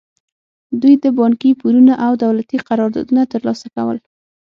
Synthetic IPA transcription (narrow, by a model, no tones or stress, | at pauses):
d̪ujd̪əbɑŋkipuɾunaʔawd̪awlat̪iqaɾɑɾd̪ɑ̰d̪unat̪əɾlɑsakawə̰l